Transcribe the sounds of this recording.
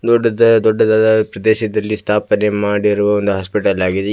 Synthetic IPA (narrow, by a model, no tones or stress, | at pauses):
d̪ɔɖːɐd̪ɐd̪ɔɖːɐd̪ad̪ɐpɾɐd̪eːʃɐd̪ɐlːist̪ʰaːpɐnemaːɽiɾuʋɐond̪uɦaːspiʈɐlaːɡid̪e